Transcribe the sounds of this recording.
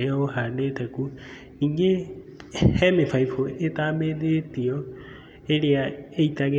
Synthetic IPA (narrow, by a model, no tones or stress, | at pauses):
jɔhanetɛku | niːŋɡe | hɛmefaifoetaːmeðetiɔ | eleaeitaɣe